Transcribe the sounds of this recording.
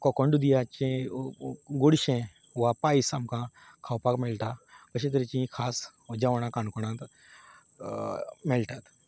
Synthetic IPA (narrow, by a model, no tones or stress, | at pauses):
kɔkɔɳɖud̪ijat͡ʃẽ | ɡuɽʃẽ | ʋapaːisamkã | kʰawpaːkmelʈakəɕ̬ẽt̪əɾit͡ʃĩkʰaːsd͡ʒaʋɽ̃ãkaɳkɔɽ̃ãt̪ | melʈat̪